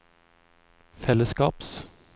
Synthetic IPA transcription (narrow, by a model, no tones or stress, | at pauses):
fɛləskɑːps